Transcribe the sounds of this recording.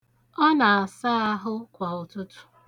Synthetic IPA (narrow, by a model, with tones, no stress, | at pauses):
ɔ˦na˨a˨sa˦a˦ɦʊ˦kʷa˨ʊ˨tʊ˦tʊ̥˦